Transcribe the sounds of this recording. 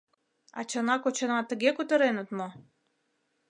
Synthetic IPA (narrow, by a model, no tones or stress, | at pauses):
ɑ̰t͡ɕɤ̆nɑkot͡ɕɤ̆nɑt̪ə̆ɣekut̪ə̆ɾenə̆t̪mo